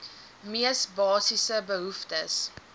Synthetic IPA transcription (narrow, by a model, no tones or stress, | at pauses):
miəsbɑːsisəbəɦuftəs